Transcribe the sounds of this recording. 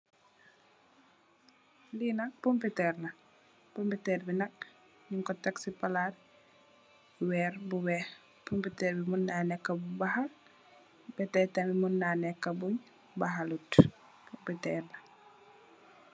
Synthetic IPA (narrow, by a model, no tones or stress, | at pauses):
linɐpompitɛːrnɐ | pompitɛːrbinɐk̚ | ɲuŋkɔtɐksipɐlar | wɛːrbuwɛh | pompitɛɾbimunːanɛkːɐbbɐhɐl | bɛtɛtɐmimunːaːnɛkːɐbuɲ | bɐɦalut | pompitɛːrnɐ